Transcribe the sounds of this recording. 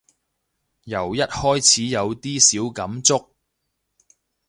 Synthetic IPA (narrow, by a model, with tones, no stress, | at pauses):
jɐ˨˩wjɐ˥t̚hɔː˥jt͡sʰiː˨˥jɐ˨˧wt̪iː˥siː˨˥wkɐ˨˧˥mt͡sʊ˥k̚